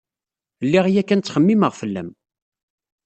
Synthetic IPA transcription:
lːiʁijækːænt͡sːχəmːiməʁfəlːæ̰m

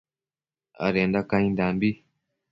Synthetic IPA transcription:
a̰ɾend̪akãĩnd̪ambi

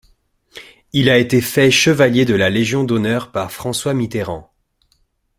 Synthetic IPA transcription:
ilaet̪efɛʃəvaljed̪əlaleʒjɔ̃d̪ɔnœʁpaʁfχɑ̃swamit̪eʁɑ̰̃

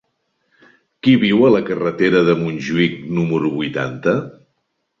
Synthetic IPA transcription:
kiβiwələkərət̪eɾəðəmunʲʒuik̚numəɾuβujt̪a̰nt̪ə

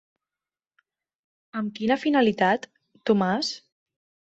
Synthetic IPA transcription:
əmkinəfinalit̪at̪ː | umas

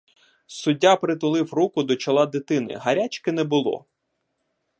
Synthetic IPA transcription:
sʊdʲːapɾɪt̪̬ʊlˠɪwrukʊd̪ɔt͡ʃɐlˠɑd̪ɪt̪ɪnɪ̰ɦɐɾʲat͡ʃkɪnɛbʊlˠɔ̰

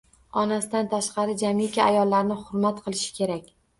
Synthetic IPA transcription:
ɒnasɪd̪ant̪ʰaʃqʰɑɾɪd͡ʒamikʲʰaajɒlˠːaɾnɪχʊɾmat̪qʰɨlˠɪʃɪ̥kʲʰe̞ɾakʲ

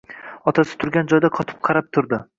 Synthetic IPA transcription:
ɒt̪ʰasɪ̥t̪ʰʊɾɡʲand͡ʒɒjd̪aqʰɒt̪ʰɪ̥p̚qʰɑɾap̚t̪ʰʊɾd̪ɪ

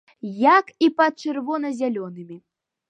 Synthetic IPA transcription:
jakipɐt̪̚t͡ʂɨrvɔnɐzʲalʲɔnɨmʲi

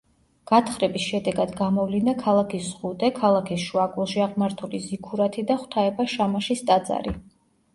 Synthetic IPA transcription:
ɡ̥at̪ʰχɾɛbisʃɛd̪ɛɡad̪ɡamɔvlind̪akʰalˠakʰisz̥ʁut̪ʼɛkʰalˠakʰisʃuakʼulˠʃiaʁmaɾt̪ʰulizikʰuɾat̪ʰid̪aχwt̪ʰaɛbaʃamaʃist̪ʼad̪za̰ɾi

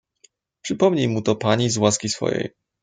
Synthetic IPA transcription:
pʂɘpɔmɲijmut̪ɔpaɲizwaskʲisfɔ̰jḛj

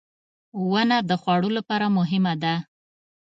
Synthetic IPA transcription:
wənad̪əxwɑɽolapɑɾamʊɦɪmad̪a

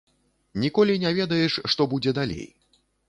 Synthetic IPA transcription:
nʲikɔlʲinʲavʲɛd̪ɐjɛʂːt̪ɔbud͡zʲɛd̪alʲḛj

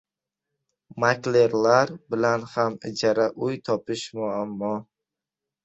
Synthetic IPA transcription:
makle̞ɾlaɾbɪlanhamɪd͡ʒaɾaʔʊjt̪ʰɒpɪʃmʊamːɒ

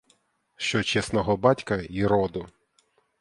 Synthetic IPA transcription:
ʃt͡ʃɔt͡ʃɛsnɔɦɔbɑtʲkɐiɾɔd̪ʊ

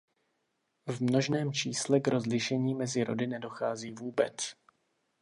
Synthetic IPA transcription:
vmno̞ʒnɛːmt͡ʃiːslɛɡɾo̞zlɪʃɛɲiːmɛzɪɾo̞̰dɪnɛdo̞xaːziːvuːbɛt͡s

